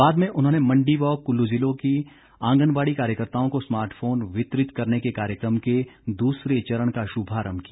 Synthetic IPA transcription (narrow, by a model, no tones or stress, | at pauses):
baːd̪mẽʔʊnɦõːnemɐ̃ɳɖiʋɔːkːʊlːud͡ʒɪlõki | ãːŋɡənbaːɽikaːɾjəkəɾt̪aːõkosmaːɾʈfʰoːnʋɪt̪ɾɪt̪kɐɾnekekaːɾjəkɾəmked̪uːsɾet͡ʃɐɾəɽ̃kaʃʊbʱaːɾəmbkija